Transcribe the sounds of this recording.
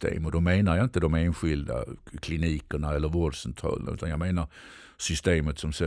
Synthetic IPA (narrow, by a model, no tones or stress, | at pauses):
t̪ḛːmɔd̪ɔmeːnaɾjaɪnt̪əd̪ɔmeːnɧɪld̪a̰kʰlɪniːkəɳaɛlːəɾvoɾʂɛnt̪ʰɑ̰ːlə̰na̰ʉ̟ːt̪anjɑɡmeːnaɾ | sʏst̪eːmət̪sɔmsɛ